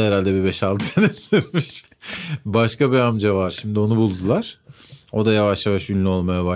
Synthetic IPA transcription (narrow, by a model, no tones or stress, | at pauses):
ɛɾalʲd̪ɛbibɛʃalˠd̪ɯsenɛsyɾmiʃ | baʃkabiamd͡ʒavaɾʃimd̪io̞nubulˠd̪ulˠaɾ̥o̞d̪ajavaʃjavaʃynlʲyo̞lˠmajaba